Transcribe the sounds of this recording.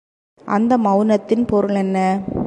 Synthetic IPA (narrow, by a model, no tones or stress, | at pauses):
ʔɐnd̪ɐmɐʋɯnɐt̪ːɪnpɔɾɯɭɛnːɐ